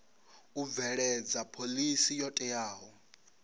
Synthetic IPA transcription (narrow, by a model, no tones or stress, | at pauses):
uvɛɺɛd͡zapʰolisijɔtʼɛjaːɦɔ